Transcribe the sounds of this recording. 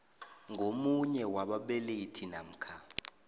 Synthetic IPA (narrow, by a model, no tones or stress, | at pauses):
ŋɡʱomuɲɛwaɓaɓeletʰinam̩kʰa